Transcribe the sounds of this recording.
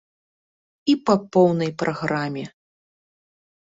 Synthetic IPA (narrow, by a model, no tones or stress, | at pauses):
ipɐpɔwnɐjpɾʔaɣɾamʲɛ